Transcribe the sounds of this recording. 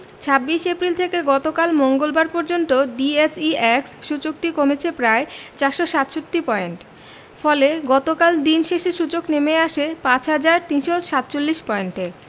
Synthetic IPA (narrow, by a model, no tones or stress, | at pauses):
t͡ɕʰabːiʃepɾilt̪ʰekeɡɔt̪okalmoŋɡolbaɾpɔɾd͡ʑont̪oɖiesiɛksʃut͡ɕok̚ʈikomet͡ɕʰepɾaet͡ɕaɾʃoʃat̪ʃot̪ːipɔeɳʈ | fɔleɡɔt̪okald̪inʃeʃeʃut͡ɕoknemeaʃepãt͡ɕɦad͡ʑaɾt̪inʃoʃat̪t͡ɕolːiʃpɔeɳʈe